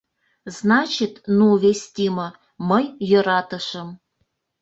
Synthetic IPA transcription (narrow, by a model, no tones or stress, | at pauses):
znɑt͡ɕit̪nuvʲesʲt̪ʲimɤ̆ | məjːɤ̆ɾɑt̪ə̆ʃə̆m